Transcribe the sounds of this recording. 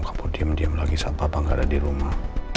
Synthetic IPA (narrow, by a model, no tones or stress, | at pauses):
kapurdiamdiamlaɡisampaːpaŋɡaːdadiɾumah